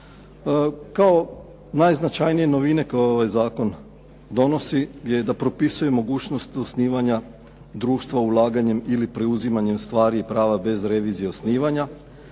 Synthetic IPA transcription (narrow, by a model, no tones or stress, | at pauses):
kao̞ | najznat͡ʃajnije̞no̞ʋine̞kojooʋajzaːko̞n | d̪o̞no̞siɡdjejd̪apɾo̞pisuje̞mo̞ɡuːt͡ʃno̞st̪osniːʋaɲa | d̪ɾuːʃt̪ʋaulˠaːɡaɲe̞milipɾe̞uzimaɲe̞mst̪ʋaːɾiipɾaːʋabe̞zɾe̞ʋiːzijeosniːʋaɲa